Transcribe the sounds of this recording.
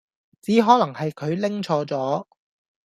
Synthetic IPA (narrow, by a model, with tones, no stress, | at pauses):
t͡siː˨˥ɦɔː˨˥lɐ˨˩ŋhɐ˨jkʰɵ˨˧ɥlɪ˥ŋt͡ʃʰɔː˨˧t͡sɔː˨˥